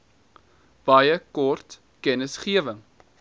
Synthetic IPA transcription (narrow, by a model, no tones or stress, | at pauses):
b̥ɐjəkɔrt | kɛnəsχiəvəŋ